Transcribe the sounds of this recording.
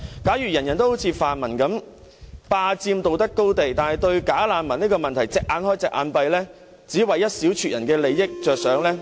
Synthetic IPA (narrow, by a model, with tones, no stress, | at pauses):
kaː˨˥jyː˨˩jɐ˨˩njɐ˨˩nt̪o˥who˨˥wt͡sʰiː˨˧faː˨nmɐ˨˩nkɐ˨˥m | paː˧t͡siː˧mt̪o˨wt̪ɐ˥kːo˥wt̪e˨jt̪aː˨nhɐ˨jt̪ɵ˧ɥkaː˨˥laː˨˧nmɐ˨˩ni˥kɔː˧mɐ˨nt̪ʰɐ˨˩jt͡sɪː˨k̚ʔaː˨˧nhɔː˥jt͡sɛː˨k̚ʔa̰ː˨˧npɐ˧jlɛː˥ | t͡siː˨˥wɐ˨jːɐ˥t̚siː˨˥wt͡ʃʰyː˨t̚jɐ˨˩nkɛː˧le˨jːɪ˥k̚t͡ʃœː˨k̚sœː˨˥ŋlɛː˥